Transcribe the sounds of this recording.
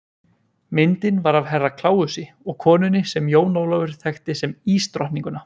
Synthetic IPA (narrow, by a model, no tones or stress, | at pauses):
mɪnt̪ɪnvaɾavɦɛrːakʰlaːwʏsɪ | ɔɣkʰɔːnʏnːɪsɛmjoːwnowlavʏɾ̥θʰɛxt̪ɪsɛmiːst̪ɾɔhnniŋkʏna